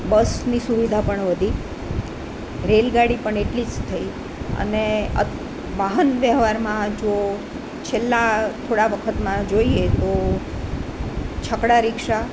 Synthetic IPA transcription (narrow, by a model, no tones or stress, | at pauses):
bəsnisuʋid̪ʱapəɳʋəd̪ʱi | ɾelɡaɽipəɳeʈlid͡ʒt̪ʰəi | ə̰neə̰ | ʋaɦənʋjəɦʋaɾmãd͡ʒo | t͡ʃʰelːat̪ʰoɽaʋəkʰət̪mãd͡ʒoiet̪o | t͡ʃʰəkɽaɾɪkʃa